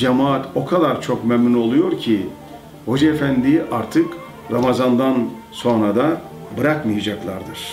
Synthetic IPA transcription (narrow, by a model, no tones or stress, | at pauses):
d͡ʒamaːt̪o̞kʰad̪aɾt͡ʃʰo̞kmømino̞lˠujo̞ɾcʰi | ho̞d͡ʒaefænd̪iʔaɾt̪ʰɯk | ɾamazand̪an | so̞nɾad̪a | bɯɾakmɯjad͡ʒaklˠa̰ɾd̪ɯɾ̥